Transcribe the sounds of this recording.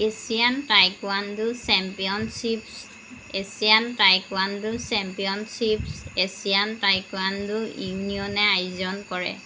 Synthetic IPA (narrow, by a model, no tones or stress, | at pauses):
esijantajkwandʊsɛmpijɔnsips | esijantajkwandʊsɛmpiɔnsipsesijantajkwandʊiniɔnɛajzɔnkɔɹɛ̰